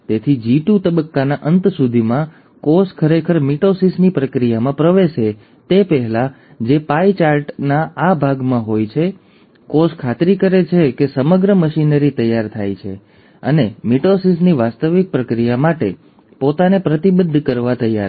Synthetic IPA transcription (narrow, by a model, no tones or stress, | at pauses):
t̪et̪ʰid͡ʒiʈut̪əbəkːanaʔənt̪sud̪ʱimã | koskʰəɾekʰəɾmiʈosisnipɾəkɾijamãpɾəʋeʃe | t̪epəɦɛla | d͡ʒepait͡ʃaɾʈnaabʱaɡmãɦojt͡ʃʰe | koskʰat̪ɾikəɾet͡ʃʰekesəməɡɾəməʃinəɾit̪əjːaɾt̪ʰajt͡ʃʰḛ | ə̰nemiʈosisniʋast̪əʋɪk̚pɾəkɾijamaʈḛ | pot̪anepɾət̪ibəd̪ʱːkəɾʋat̪əja̰